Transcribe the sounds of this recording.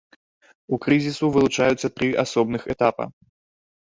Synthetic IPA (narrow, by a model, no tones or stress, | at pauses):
ukɾɨzʲisuvɨlˠut͡ʂajut̪sːɐt̪ɾɨʔasɔbnɨxɛt̪apɐ̰